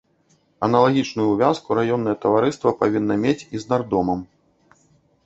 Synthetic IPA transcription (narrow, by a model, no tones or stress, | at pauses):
ɐnɐlˠaɣʲit͡ʂnujuvʲaskuɾajɔnːɐjɛt̪ɐvaɾɨst̪vɐpavʲinːɐmʲet͡sʲiznard̪ɔmɐm